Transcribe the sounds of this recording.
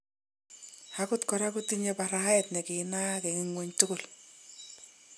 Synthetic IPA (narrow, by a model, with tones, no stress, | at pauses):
hakʊtkɔ˨ɾa˦kʊtiɲɛpa˨ɾa˦ɛ˨tnɛ˨kɪna˦kɛ˨ŋɪŋwo˨ɲtʊ˦kʊ˨l